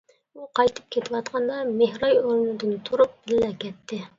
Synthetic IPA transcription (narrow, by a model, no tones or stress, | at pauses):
uqʰɑjt̪ʰɨ̥p̚kʲʰet̪ʰɪwɑt̪qʰɑnd̪ɑmehɾɑjoɾunɨd̪ɨnt̪ʰuɾup̚b̥ɪlːɛkʲʰɛt̪ʰːɪ